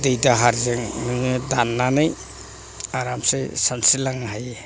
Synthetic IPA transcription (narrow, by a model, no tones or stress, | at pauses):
dejdaɦaɾzeŋnɯŋɯdanːanɯj | aɾamsesansilaŋɦaje